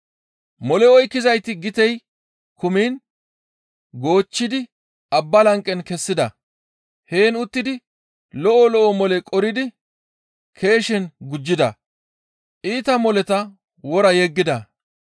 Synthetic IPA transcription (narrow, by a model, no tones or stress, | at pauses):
mɔlɛɔjkːɪzɐjt̪ɪɡɪt̪ɛj | kʊmiːn | ɡo̞ːt͡ʃːɪd̪ɪ | ɐbːɐlɐŋkʼːɛnkɛsːɪd̪ɐ̰ | he̞ːnʊt̪ːɪd̪ɪ | lɔʔɔlɔʔɔmɔlɛkʼɔɾɪd̪ɪ | kʰe̞ːʃɛnɡʊd͡ʒːɪd̪ɐ̰ | ʔiːt̪ɐmɔlɛt̪ɐ | wɔɾɐjɛɡːɪd̪ɐ